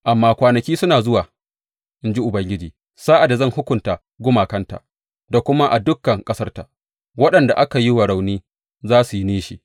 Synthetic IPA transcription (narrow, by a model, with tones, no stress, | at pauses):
ʔa˨mːaː˦kʷaː˨nɐ˨kʲiː˦sʊ˦naː˨zʊ˦waː˨ | ʔɪ˦nd͡ʒi˦ʔʊ˨bɐ˦ŋɡʲɪ˦d͡ʒiː˨ | saː˦ʔa˨da˨zɐ˦ŋhʊ˦kʷʊ˨nta˨ | ɡʷʊ˦maː˨kɐ˦nta̰˨ | da˨kʷʊ˦ma˦ʔa˨dʊ˦kːɐ˨ŋkʼɐ˦sɐ˦rta˨ | wɐ˦ɗɐ˨nda˨ʔa˦ka˨ji˦wɐ˨ɽa˨wniː˦ | zaː˦su˨ji˦niː˦ʃi˨